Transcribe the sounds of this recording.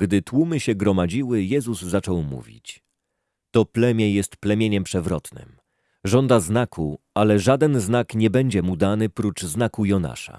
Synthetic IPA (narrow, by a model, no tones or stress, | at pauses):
ɡd̪ɘt̪wumɘɕɛɡɾɔmad͡ʑiwɘjɛzuzzat͡ʂɔwmṵvʲḭt͡ɕ | t̪ɔplɛmʲjɛjɛst̪plɛmʲjeɲɛmpʂɛvɾɔt̪nɘ̰m | ʐɔnd̪aznakʰualɛʐad̪ɛnznakɲɛbɛɲd͡ʑɛmud̪anɘpɾut͡ʂznakujɔna̰ʂa̰